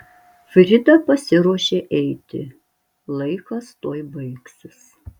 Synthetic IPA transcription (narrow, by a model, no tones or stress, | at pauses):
fʲɾʲɪd̪ɐpɐsʲɪɾuɔʃʲeːʔɛɪt̪ʲɪ̰ | lˠɐɪkɐst̪oːjbɐɪksʲɪs